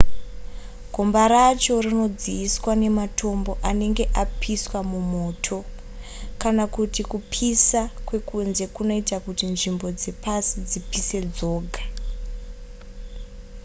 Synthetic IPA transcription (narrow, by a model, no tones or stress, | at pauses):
ɡʱo̞mbaɾat͡ʃo̞rino̞d͡ziːswane̞matʰo̞mbo̞ʔane̞ŋɡe̞ʔapʰiswamumo̞ːtʰo̞ | kanakutikupʰisakwe̞kunze̞kuno̞itakutinʐimbo̞d͡ze̞pasid͡zipise̞d͡zo̞ːɡʱa